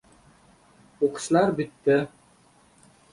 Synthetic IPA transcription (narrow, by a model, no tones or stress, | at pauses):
uqɤ̥̆slˠɑɾbit̪ːɘ